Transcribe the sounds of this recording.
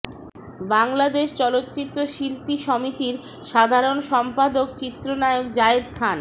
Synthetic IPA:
baŋlad̪eʃt͡ɕɔlot̪ːt͡ɕit̪ːɾoʃilpiʃɔmit̪iɾ | ʃad̪ʱaɾonʃɔmpad̪okt͡ɕit̪ːɾonaeok̚d͡ʑaed̪kʰan

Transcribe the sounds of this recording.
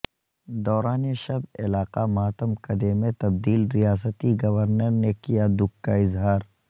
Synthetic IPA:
d̪ɔːɾaːneʃɐbɪ̰laːqamɐaːt̪əmkɐd̪emẽt̪ɐbd̪iːlɾijaːs̬ət̪iɡɐʋəɾnəɾnekijad̪ʊkːaɪzɦaːɾ

